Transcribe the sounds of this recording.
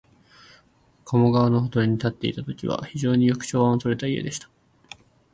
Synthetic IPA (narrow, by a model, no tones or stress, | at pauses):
kʰo̞moɡaβano̞ɦot̪oɾʲiɲ̟it̪at̪ːe̞ḭt̪at̪o̞kʲiβa̰çiʑo̞ːɲ̟ijo̞kɯ̥ɕo̞ːβãot̪o̞ɾe̞t̪aie̞̰d̪e̞ɕi̥t̪ḁ